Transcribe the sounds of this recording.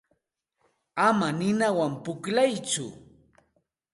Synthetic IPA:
amanɪnawampʊklajt͡sʊ̰

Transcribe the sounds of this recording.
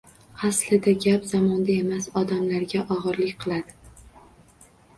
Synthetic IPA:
aslɪd̪aɡʲapz̥amɒnd̪ae̞masɒd̪amlaɾɡʲaʔɒʁɨɾlɪkʲqʰɨlˠad̪ɪ

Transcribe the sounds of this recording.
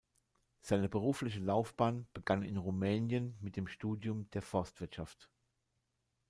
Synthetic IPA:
z̥aɪnəbəʁ̞uːflɪçəlaʊfb̥aːnb̥əɡanɪ̰nʁumɛːnjənmɪt̚d̥eːmʃtuːdjʊmd̥eːɐfɔɐstv̥ɪɐtʃaft

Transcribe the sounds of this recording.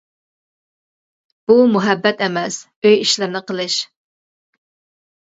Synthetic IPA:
b̥umuɦɛbːɛt̪ɛmɛs | øjiʃlɪɾnɪqʰəlˠɨʃ

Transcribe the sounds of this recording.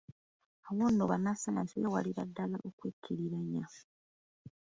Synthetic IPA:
awonːoβanasanasijewa̰liɾadːalaʔokwekʰːiɾiɾaɲa

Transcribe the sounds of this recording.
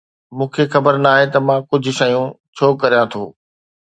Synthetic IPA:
mũːkʰexɐbəɾnaːɦet̪ɐmãkʊd͡ʑʱʊ̆ʃɐjũ | t͡ɕʰoːkɐɾijãt̪ʰo̰ː

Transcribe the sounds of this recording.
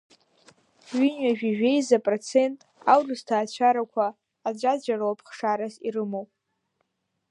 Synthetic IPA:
ɥyɲɥaʒᶣiʒᶣe̞jzapʼrot͡sʰe̞ntʼawrɨstʰaːt͡ɕʷʰaɾakʷʰaː | d͡ʒʷʼad͡ʒʷaɾoapʰχʂaɾasiɾɨmowpʼ

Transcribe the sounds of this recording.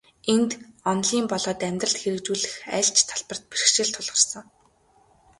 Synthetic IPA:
ent̪ɔnɮiːmpɔɮɔːt̪æmʲt̪rə̆ɬt̪xeɾɘ̆kt͡ɕuːɮɘ̆xæ̰ːɬt͡ɕt̪ʰaɮpə̆r̥t̪̚pirxʃɪ̆ɬt̪ʰʊɮʁə̆rsə̆ŋ

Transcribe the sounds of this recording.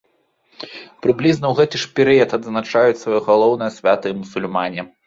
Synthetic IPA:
pɾɨblʲiznɐwɣɛt̪ɨʂpʲɛɾɨjɐt̪ɐd̪znat͡ʂajut͡sʲsvajɔɣalˠɔwnɨjɐsʲvʲat̪ɨmusulʲmanʲɛ

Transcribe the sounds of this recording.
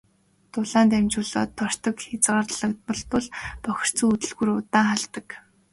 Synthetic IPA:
t̪ʊɮaːnt̪æmt͡ɕʊːɮɔ̰ːt̪ʰːɔr̥t̪ɞ̆kxet͡sɢaːrɮə̆k̚t̪̚pɔ̆ɮpɔɮpɔx̆ʲr̥t͡suːut̪ɵ̆ɮɣŭrʊt̪aːŋχaɮt̪ə̆k

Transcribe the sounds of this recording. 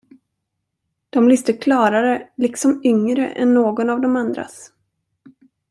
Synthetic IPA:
d̪̥ɔmlʏst̪əkʰlɑːɾaɾəlɪksɔmʏŋɾə̰ʔɛ̰nːoːɡɔnavd̪ɔmand̪ɾa̰s

